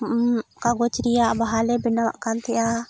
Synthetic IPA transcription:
kaɡɔt͡ʃɾijaʔbaɦalɛbɛnawa̰ʔkant̪ʰɛja

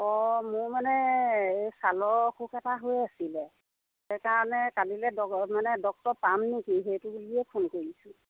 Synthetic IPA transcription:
ɔmʊmanɛejsalɔxʰukɛtaɦojasilɛ | sɛjkaɹɔnɛkalilɛdɔmanɛdɔk̚tɔpamnikiɦejtʊbuliɛpʰonkoɹisʊ

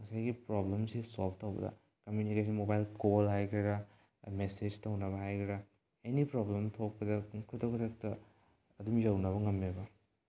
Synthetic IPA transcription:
ŋɐsajɡipɾoblemsisop̚ʰtɐwbɐ̰dɐ̰ | kɐmjunikes̬inmobajlkolɦajkʰɾiɾɐ | mesed͡ʒtɐwnɐbɐɦajkʰiɾɐ | enipɾoblemtʰok̚pɐdɐkʰutɐkʰutʰɐk̚tɐ | ɐdumjɐwnɐβɐŋɐmːebɐ

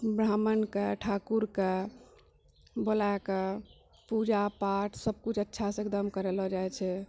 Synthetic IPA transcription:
bɾamənkeʈʰakuɾke | bolake | pud͡ʒapaʈʰsəb̚kut͡ʃʰətːʃʰasẽk̚d̪əmkəɾelɔd͡ʒajt͡ʃʰɛ

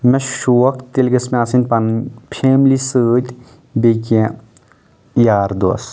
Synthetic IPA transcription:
mɛʃuːɐkʰt̪elɡɐsmẽasint̪̚pɐnpʰeːmlisəːt̪ʲ | bekẽ | jaːɾd̪oɐ̰s

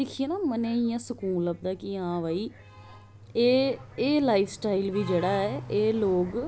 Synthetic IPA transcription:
d̪ɪkʰieːnaːmənẽːijãːsəkuːləb̚d̪aːkɪãːʋaːiː | eːeːlaːifʰsʈaːilʋiːd͡ʒeːɽaːɛːeːloːɡ

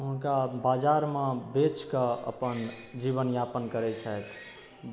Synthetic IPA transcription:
ɦnkabad͡ʒaɾmẽbet͡ʃkəə̰pənd͡ʒiβənjapənkəɾɛt͡ʃʰət̪ʰ

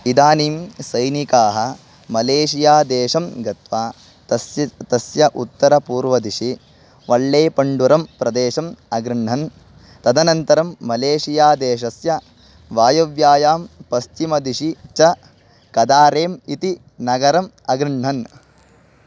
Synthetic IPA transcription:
id̪aːniːmsɐjnikaːɦɐ̆ | mɐleːʃijaːd̪eːʃɐmɡɐt̪ʋaː | t̪ɐsjɐʔut̪ːɐɾɐpuːɾʋɐd̪iʂi | ʋɐɭːeːpɐɳɖuɾɐmpɾɐd̪eːʃɐmɐɡɾɪɳɳɐn | t̪ɐd̪ɐnɐnt̪ɐɾɐmːɐleːʃijaːd̪eːʃ̬ɐsjɐ | ʋaːjɐʋjaːjaːmpɐst͡ʃimɐd̪iʂit͡ʃɐ | kɐd̪aːɾeːmit̪i | nɐɡɐɾɐm | ɐɡɾɪɳɳɐn

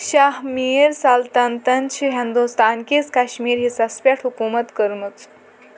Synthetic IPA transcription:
ʃaɦmiːɾsalt̪ɐnt̪ɐnt͡ʃʰiɦind̪ust̪aːnkiskaɕmiːɾɦisɐspʲeʈʰɦukuːmɐt̪kəɾmɨt͡s

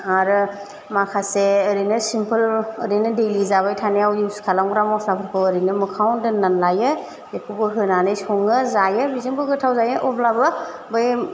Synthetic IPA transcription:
aɾ | makʰaseːɾinɯsimpʰɯləɾinɯdelizaβajtʰanejawjiwskʰalawŋɡɾamɔslapʰɯɾkʰɯəɾinɯmɯkʰawndɯnːanlajɯ | jekʰubɯɦɯnanɯjsɔŋɯzajɯbizɯŋbɯɡɯtʰawzajɯʔɔblabɯ | bɯj

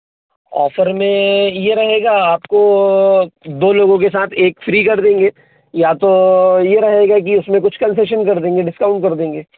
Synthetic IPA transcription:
ɔ̰ːfəɾmẽjeɾɐɦeːɡaaːpko | d̪oːloːɡõkesaːt̪ʰeːkfɾiːkɐɾd̪ẽːŋɡeː | jat̪ojeɾɐɦeːɡak̬iʊsmẽkʊt͡ʃʰkɐ̃nseʃ̬ənkɐɾd̪ẽːŋɡeɖɪskaːʊ̃ɳɖkɐɾd̪ẽːŋɡeː

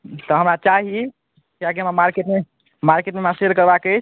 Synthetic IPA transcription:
t̪ɔɦəmɾat͡ʃaɦi | kiak̬iəmamaɾkeʈme | maɾkeʈmemãseɾkəɾbakət͡ʃʰ

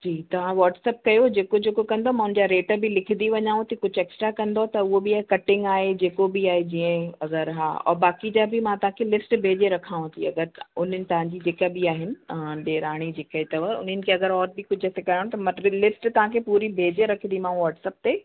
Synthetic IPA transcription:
d͡ʑiːt̪ɐʋ̤ãʋɔːʈsɛːp̚kɐjod͡ʑeːkod͡ʑeːkokɐ̃nd̪omãɦʊn̆d͡ʑaɾeːʈbʱilɪkʰd̪iʋɐɲaːũt̪ikʊd͡ʑʱeːksʈɾakɐ̃nd̪ot̪ɐʊɦobiaːɦekɐʈɪ̃ŋɡaːɦed͡ʑeːkobiaːɦed͡ʑiə̃ɐɡəɾɦa̰ːɔ̰ːɾbaːkid͡ʑaːbʱɪmãt̪ɐʋ̤ãkʰelɪsʈbʱeːd͡ʑeɾɐkʰaːʋũt̪ʰiɐɡəɾʊn̤ənɪ̆t̪ɐʋ̤ãɲd͡ʑid͡ʑeːkabiaːɦɪnɪ̆ɖeːɾaːɽ̃id͡ʑeːkaɦet̪ɐʋəʊ̰n̤ənɪ̆kʰeɐɡəɾɔːɾbɪkʊd͡ʑʱɛːsekɐɾaːɽ̃õt̪ɐmɐ̃lɪsʈt̪ɐʋ̤ãkʰepuːɾibʱeːd͡ʑeɾɐkʰnd̪imãːũʋɔːʈsɛːp̚t̪eː

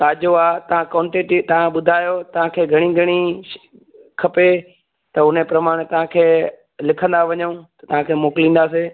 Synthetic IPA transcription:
t̪aːd͡ʑoaːt̪ɐʋ̤ãkɐːʊɳʈeːʈit̪ɐʋ̤ãɓʊd̪ʱaːjot̪ɐʋ̤ãkʰeːɡʱɐɽ̃iɡʱɐɽ̃i | kʰɐpe | t̪ɐʊn̤epɾɐmaːɽ̃et̪ɐʋ̤ãkʰeː | lɪkʰə̃n̆d̪aʋɐɲəũt̪ɐt̪ɐʋ̤ãkʰeːmoːkɪlĩːnd̪aːse

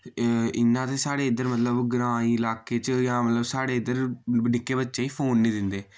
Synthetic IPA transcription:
ɪnːãːt̪eːsaːɽeːɪd̪əɾmət̪ləbɡɾãːĩːɪlaːkeːt͡ʃjãːmət̪ləbsaːɽeːɪd̪əɾɖɪkːeːbətːʃeːiːpʰoːnːĩːd̪ɪnd̪eː

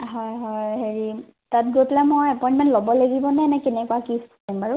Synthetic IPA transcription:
ɦɔjɦɔjɦeɹi | tat̚ɡotlɛmojɛpɔjĩntmɛ̃ntlɔbɔleɡibɔnɛnɛkenɛkuwakis | ambaɹu

